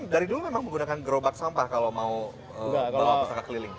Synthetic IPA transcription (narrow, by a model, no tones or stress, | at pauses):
daɾidulumemaŋməŋɡunakanɡɾobak̚sampahkalowmau | əbawausakakəlilɪŋ